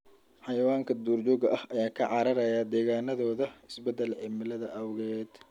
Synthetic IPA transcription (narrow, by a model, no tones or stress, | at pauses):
ħɑjɐwaːŋkʰɐd̪uːrt͡ʃɔːɣɐʔɐhʔɐjaːkʰɐʕɑɾɐɾɐjaːd̪ɛːɣaːnɐðɔːðɐɪsbɛd̪ːɛlʕɪmɪlɐðɐʔɐwɣɛːd̪̥